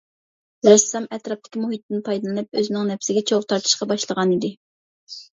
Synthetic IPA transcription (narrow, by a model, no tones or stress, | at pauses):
ɾɛsɑmɛt̪ɾɑp̚t̪ʰɪ̥kʲimuɦit̪ːɪnpʰɑjd̪ɨlˠɨnɨp̚øzɪnɪŋnɛpsɪɡʲɛt͡ʃʰoʁt̪ʰɑɾt̪ʰɨ̥ʃqɑbɑʃlˠəʁɑnid̪ɪ